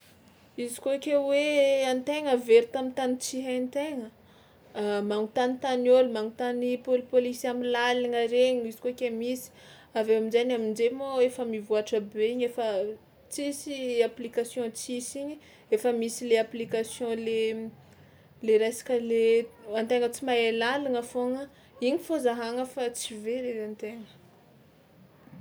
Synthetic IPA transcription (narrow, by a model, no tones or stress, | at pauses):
izikoakʲeweant̪eŋəveɾut̪amint̪anit͡siɦant̪eŋə | maŋut̪anit̪anolumaŋut̪anipolipolisamilaliŋaɾeɲuizi̥kokʲemisi̥ | aveaminzajɲamind͡ʒemoefəmivuaʈ͡ʂəbeiɲefə | t͡sisiaplikasjɔ̃t͡sisiɲi | efəmisileaplikasjɔ̃le | leɾajsḁkəleant̪eŋət͡simaelaliŋəfoŋə | iɲifozaɦaŋəfat͡siveɾezant̪eŋə̥